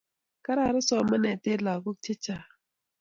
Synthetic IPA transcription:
ka˦ɾa˨ɾə˦sɔ˦mə˦ne˨te˦la˨ɡu˦k̚t͡ʃi˦t͡ʃa˨

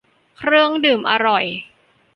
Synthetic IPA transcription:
kʰɾɯ˥˩əŋdɯː˨˩mʔa̰˧ɾɔ˨˩j

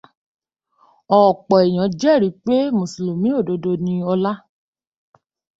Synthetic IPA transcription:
ɔ˨k͡pɔ˨ɛ˨j̃ã˨˦d͡ʒɛ˦˨ɾi˨˦k͡pe˦mõ˨si˨lo˨mĩ˨˦o˦˨do˧do˧nĩ˧ɔ˧la˦

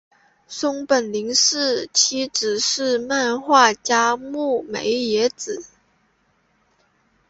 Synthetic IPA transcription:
sʊ˥ŋpə˨˩nli˧˥ŋʂɻ̩˥˩t͡ɕʰi˧˥ʈ͡ʂɻ̩˨˩ʂɻ̩˥˧ma˥˧nxwa˥˩t͡ɕja˥mu˥˩mḛ˧˥ɪjɛ˧˥t͡sɹ̩˨˩˦

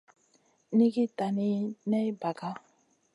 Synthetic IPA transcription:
ni˦ɡi˦ta˨ni˦nɛ˦ba˨ɡa˦

